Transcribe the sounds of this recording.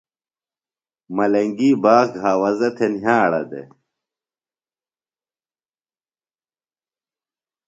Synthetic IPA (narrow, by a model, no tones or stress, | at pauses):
mɐlɐŋɡiːbaːxɡɦaːwɐzɐt̪ʰenɦãːɽɐ̰d̪ḛ